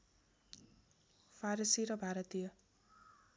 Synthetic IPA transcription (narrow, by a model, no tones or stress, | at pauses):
pʰaɾisiɾʌbʱaɾʌt̪ijʌ